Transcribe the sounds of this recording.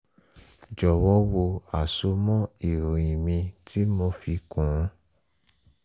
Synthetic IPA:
d͡ʒɔ˨wɔ˨˦wo˧a˨so˧mɔ̃˦i˨ɾo˨i˨mĩ˧tʰi˦mo˧fi˧kũ˨ɾũ˦

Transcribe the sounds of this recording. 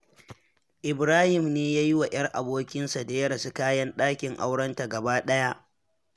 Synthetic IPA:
ʔɪ˨bɾaː˦hɪ˨mneː˦jaː˦ji˦wa˨j̰ɐ˦rʔa˨boː˦kʲɪ˦nsa˨da˨jɐ˦ɽɐ˨su˦kaː˦jɐ˦nɗaː˦kʲɪ˨ŋʔa̰˦wɽɐ˦nta˨ɡɐ˨baː˦ɗɐ˦ja˦ʔ

